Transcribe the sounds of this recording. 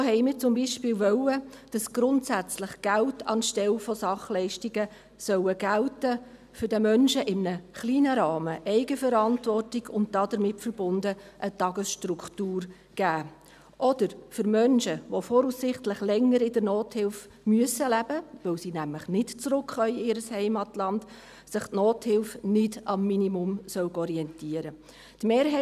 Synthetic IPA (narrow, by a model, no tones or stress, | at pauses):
oɦɛɪmɪːɾt͡sʊmbiʃpɪːlʋœwəd̥ɑsɡ̥ɾʊntsæt͡sləχɡ̥æltʰɑ̰nʃtɛlfɔsɑχlɛɪʃtiɡə | sœwəɡ̥æltə | fʏɾdəmœnʃəʔɪmnəχliːnəɾɑːməʔɛɪɡəfəɾɑntvɔrtɪɡʊnt̚d̥ɑːd̥əɾmɪtfəɾbʊndəʔətɑɡəsʃtɾuktuːr | ɡ̥æː | ʔɔd̥əɾfʏɾmœnʃəʋofɔːɾusɪχtlɪχlɛŋːəɾɪdəɾnoːthɪlf | myəsəlæb̥əʋɛwsiːnæmləχnɪtt͡sɾʊkχœʏɪːɾəshɛɪmɑtlɑnd̥ | sɪχtnoːthɪlfnɪdɑmːinimʊmsœwɡɔɾiɛntiəɾə | tmeːɾɦɛ